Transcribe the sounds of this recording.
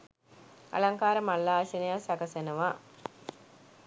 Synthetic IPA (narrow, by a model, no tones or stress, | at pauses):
a̰laŋkaːɾəmalːaːsenejasakəsenəʋa